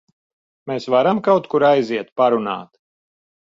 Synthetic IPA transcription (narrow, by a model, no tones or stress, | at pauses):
meːsvaɾamkawt̪kuɾajziɛt̪paɾuna̰ːt̪